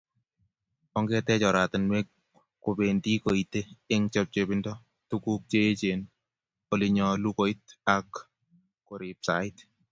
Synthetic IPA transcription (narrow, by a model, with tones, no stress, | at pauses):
ɔ˦ŋɡɛ˦tɛ˦t͡ʃɔ˨ɾa˨tɪ˨nwɛ˦ | ko˨be˨ndi˦ko˨i˨teː˦ŋt͡ʃɔ˦p̚t͡ʃe˨bɪ˦ndɔ˦ | tuku˦k̚t͡ʃe˦t͡ʃe˨n | ko˨li˨ɲɔ˧lu˦ko˦ɪt̚a˨kː | o˨ɾi˨psa̰˨ɪt